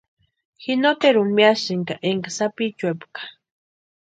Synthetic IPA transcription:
xinot̪eɾumiaʃiŋkaʔeŋkasapit͡ʃwepkḁ

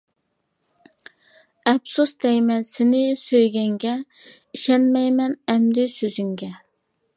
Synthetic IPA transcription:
ɛbsusd̪ɛjmɛsɪnɪsøjɡʲɛŋɡʲɛ | iʃɛnmɛjmɛnɛmd̪ɪsøzyŋɡʲɛ

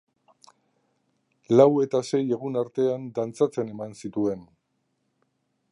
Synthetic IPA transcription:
lawe̞t̪ase̞je̞ɣunaɾt̪e̞and̪ant͡sat͡se̞ne̞mansit̪ue̞n

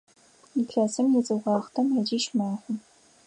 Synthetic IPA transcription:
iɬɐsɨmjɛt͡sʼɨʁɑːχtʰɐmɐd͡ʒiʃmaːχʷʊ

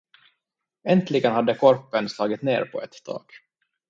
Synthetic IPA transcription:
ɛnt̪ʰlɪɡənhad̪ːəkʰɔɾpənslɑːɡɪt̪nḛːɾpʰɔ̰ɛt̪ːd̪ʰɑ̰ːɡ̥

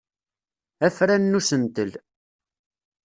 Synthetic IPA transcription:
æfɾænːusənt̪əl

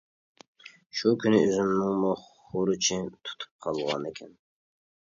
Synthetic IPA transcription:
ʃukʲʰynɪyzymnɪŋmʊχ | ʊɾɨt͡ʃʰit̪ʰu̥t̪ʰu̥p̚qʰɑlˠʁɑ̰nekʲʰɛn

